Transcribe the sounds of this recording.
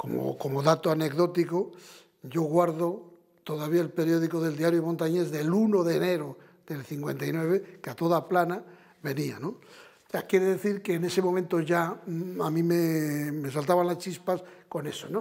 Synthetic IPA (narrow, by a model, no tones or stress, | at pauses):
ko̰mo̰ko̞moðat̪oane̞kðo̞t̪iko | ʝo̞ɣwaɾðo | t̪o̞ðaβ̞iaelpe̞ɾjo̞ð̞iko̞ðe̞ld̪iaɾjomo̞nt̪aɲe̞zðe̞luno̞ðene̞ɾo | ðe̞lθiŋkwe̞nt̪ajnwe̞β̞ekeat̪o̞ðaplana | βe̞nianõ | seakje̞ɾeðe̞θiɾkeːne̞se̞momẽnt̪o̞ʝaamĩmeme̞salt̪aβanlast͡ʃispasko̞ne̞sono